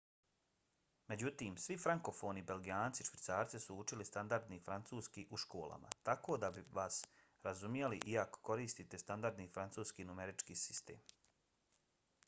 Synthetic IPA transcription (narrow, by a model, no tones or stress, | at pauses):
me̞d͡ʑut̪iːmsʋifɾaŋko̞fo̞ːnibe̞lɡijaːnt̪siʃʋit̪saːɾt̪sisuut͡ʃilist̪and̪aɾd̪nifɾant̪suːskiʔuʃko̞ːlˠa̰mʔa̰t̪ako̞ːd̪abiʋaːs | ɾazumjeliʔiako̥ko̞ɾiːst̪it̪e̞st̪and̪aɾd̪nifɾant̪suːskiːnumeɾit͡ʃkiːsi̥st̪e̞̰ːm